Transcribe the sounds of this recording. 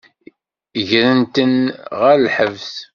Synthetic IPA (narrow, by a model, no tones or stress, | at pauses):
ʝɾənt̪ənʁæɾlħəvθ